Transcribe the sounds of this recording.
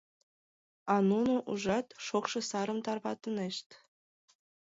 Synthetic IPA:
ɑnunoʔuʐɑt̪ʃokʃɤ̆sɑɾɤ̆mt̪ɑrβɑt̪ɤ̆neɕt̪ʲ

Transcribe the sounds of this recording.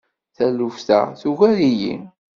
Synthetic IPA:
θælufθæ̰θuʝæɾijḭn

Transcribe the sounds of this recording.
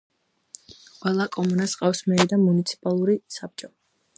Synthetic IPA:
qʼwɛlˠakʼɔmɔnasqʼafsmɛɾid̪amunit̪sʰi̥pʼalˠuɾisap̚t͡ʃʼɔ

